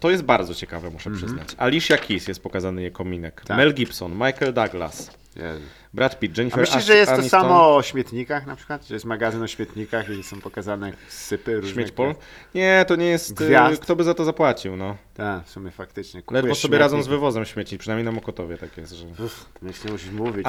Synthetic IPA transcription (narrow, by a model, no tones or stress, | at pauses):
t̪ɔjɛst̪̚baɾd̪zɔt͡ɕɛkavɛmuʂɛpʂɘznat͡ɕalʲiʂjakʲʰisjɛst̪̚pɔkazanɘjɛkɔmʲinɛk̪amɛlɡʲipsɔnmajkɛld̪aɡla̰s | jɛ̰ | bɾat̪pʲid̪̚d͡ʒɛɲifɛɾmɛʐɛjɛsaɲisamɔɔɕmʲɛt̪ɲikaxnapʂɘ̥kwat̪ʐɛjɛst̪maɡazɘnɔɕmʲjɛt̪ɲikaxisɔ̃w̃pɔkazanɛksɘpɘɾuɕʐmʲjet͡ɕpɔl | ɲɛt̪ɔɲɛjɛst̪vʲjakt̪ɔbɘzat̪ɔzapwat͡ɕiwnɔt̪akfsumʲjɛfak̚t̪ɘt͡ʂɲɛklɛdvɔsɔbʲjɛɾad̪zɔ̃w̃zvɘvɔzɛmɕmʲɛt͡ɕipʂɨnajmjejnamɔkɔt̪ɔvʲjɛt̪akʲjɛst̪ʐɛmɛɛmuʂimuvʲi